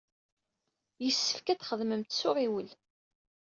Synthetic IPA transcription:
jəsːə̥fkæθχəðməmt̪sʊʁiwəl

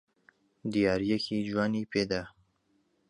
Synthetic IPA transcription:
d̪ijaːɾjɛkʰiːd͡ʒwaːniːpʰeːd̪a

